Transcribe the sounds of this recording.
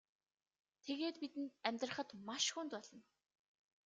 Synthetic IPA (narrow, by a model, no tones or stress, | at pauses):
t̪ʰeɣeːt̪pit̪ɘ̆nt̪̚æmʲt̪rə̆χə̆t̪maʃxunt̪pɔɮɞ̆n